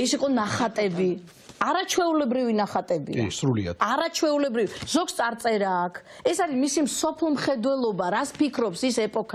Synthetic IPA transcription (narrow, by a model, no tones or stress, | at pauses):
isiqʼɔnaχat̪ʼɛbi | aɾat͡ʃʰwɛulɛbɾivinaχat̪ʼɛbḭsɾulḭa̰̥aɾat͡ʃʰwɛulɛbɾiviz̥ɔɡ̥st̪sʼaɾt̪sʼɛɾaːkʰ | ɛsaɾimisimsɔpʰlˠmχɛd̪wɛlˠɔbaɾat̪spikʰɾɔpsisɛpʼɔkʰa